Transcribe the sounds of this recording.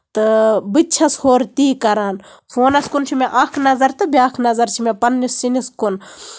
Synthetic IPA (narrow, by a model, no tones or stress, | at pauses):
t̪ɨbɨt͡ʃʰɐshoːɾt̪iːkɐɾaːn | fʰoːnɐskunt͡ʃʰimeʔɐkʰnɐzɐɾt̪ɨbiaːkʰnɐzɐɾt͡ʃʰimepɐnːisːiniskun